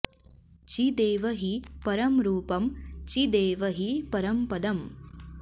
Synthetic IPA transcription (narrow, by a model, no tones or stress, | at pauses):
t͡ʃid̪eːʋɐɦipɐɾɐmɾuːpɐmt͡ʃid̪eːʋɐɦipɐɾɐmpɐd̪ɐm